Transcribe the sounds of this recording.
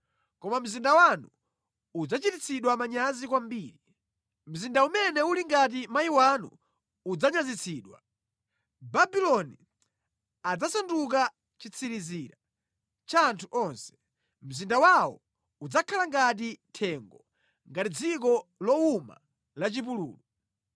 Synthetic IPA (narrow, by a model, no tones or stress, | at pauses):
kɔmam̩zindawanu | ud͡zat͡ʃitit͡sʰiɗwamaɲazikwambiːɾi | m̩zindaumɛnɛuliŋɡat̬imaiwanṵː | d͡zaɲazit͡sʰiːɗwa̰ | babilɔni | ad͡zasanduk̬a | t͡ʃit͡sʰiɾiziːɾa | t͡ʃaːntʰuʔɔnsɛ̥ | m̩zindawawɔ̰ | ud͡zakʰalaŋɡat̬itʰɛŋɡɔ | ŋɡatid͡zik̬ɔlɔuma̰ | lat͡ʃip̬ulṵːlu